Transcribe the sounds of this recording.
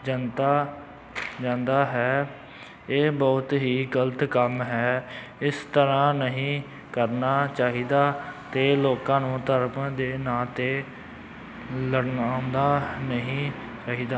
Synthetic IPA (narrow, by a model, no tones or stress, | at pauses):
d͡ʒənt̪aː | d͡ʒãːnd̪aːɦɛː | eːbɔːt̪ɦiːɡələt̪kəmɦɛː | ɪst̪əɾãːnəɦĩː | kəɾnaːt͡ʃaːɦiːd̪aːt̪eːloːkãːnũːt̪əɾmd̪eːnãːt̪eː | ləɽnaːnd̪aːnəɦĩː | t͡ʃaːɦiːd̪aː